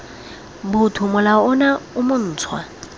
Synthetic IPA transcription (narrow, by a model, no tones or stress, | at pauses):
bʊtʰʊmʊlaʊnaʊmʊn̩ːt͡sʰwa̰